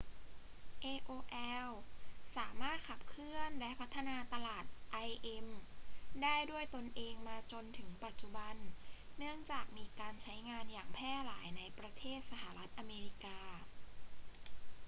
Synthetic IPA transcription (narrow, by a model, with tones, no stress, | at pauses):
ʔeː˧ʔoː˧ʔɛ˧wsaː˩˦maː˥˩t̪̚kʰa˨˩p̚kʰɾɯ˥˩ənlɛ˦˥pʰa˦˥t̪ʰːa˧naː˧t̪a˧laː˨˩t̪̚ʔa˧jʔe˧mdaː˥˩jdu˥˩əjt̪o˧nʔeː˧ŋmaː˧t͡ɕo˧nt̪ʰɯ˩˦ŋpa˨˩t̪̚t͡ɕu˨˩ba˧nːɯ˥˩əŋt͡ɕaː˨˩k̚miː˧kaː˧nt͡ɕʰa˦˥jŋaː˧njaː˨˩ŋpʰɛː˥˩laː˩˦jna˧jpɾa˧t̪ʰeː˥˩t̪̚sa˧ɦa˨˩ɾa˦˥t̪̚ʔa˧meː˧ɾi˦˥kaː˧